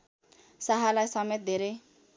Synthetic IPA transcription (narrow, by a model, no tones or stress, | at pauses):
saɦalajsʌmet̪̚d̪ʱeɾej